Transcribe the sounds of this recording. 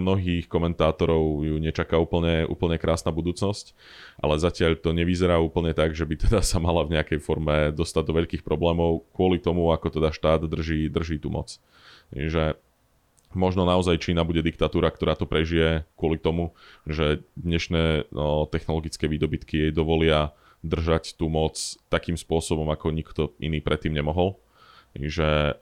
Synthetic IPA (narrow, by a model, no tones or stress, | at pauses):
mnɔɦiːxkɔmɛnt̪aːt̪ɔɾɔʊjuɲɛt͡ʃakauːpl̩ɲɛṵːpl̩ɲɛkɾʔaːsnabud̪uːt͡snɔsc | ʔa̰lɛzacɪaʎt̪ɔɲɛʋizɛɾaːuːpl̩ɲɛt̪aɡʒɛbit̪ɛd̪asamalavɲɛakɛjfɔɾmɛd̪ɔst̪aɟ̚d̪ɔʋɛʎkiːxpɾɔblɛːmɔʊkʊɔlit̪ɔmuakɔt̪ɛd̪aʃt̪aːd̪d̪r̩ʒiːd̪r̩ʒiːt̪umʔɔ̰t͡s | ʒɛ | mɔʒnɔnaɔzajt͡ʃiːnaːbuɟɛd̪ik̚t̪at̪uːɾakt̪ɔɾaːt̪ɔpɾɛʒijɛkʊɔlit̪ɔmuʒɛd̪ɲɛʃnɛːt̪ɛxnɔlɔɡit͡skɛːʋiːd̪ɔbit̪kijɛjd̪ɔʋɔlɪa | d̪r̩ʒact̪umɔt͡st̪akiːmspʊɔsɔbɔmakɔɲikt̪ɔʔḭniːpɾɛt̪ːiːmɲɛmɔɦɔl | ʒɛ